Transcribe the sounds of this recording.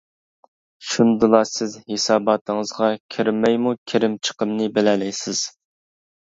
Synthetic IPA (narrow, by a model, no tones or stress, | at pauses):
ʃund̪ɨlˠɑsɪzhesɑːbɑt̪ʰɨŋəzʁɑkʲʰiɾmːɛjmukʲʰeɾɪmt͡ʃʰə̥qəmnɨbɪlɛlɛjsɪz̥